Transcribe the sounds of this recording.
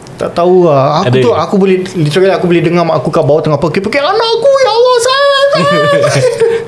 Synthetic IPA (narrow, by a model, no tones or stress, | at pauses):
t̪a̰ʔt̪auəakkt̪uakubolɛlisakaliakubolɛhdəŋamaʔːkukaʔbawaʔt̪əŋapakipəkɛanakujalɔsanasa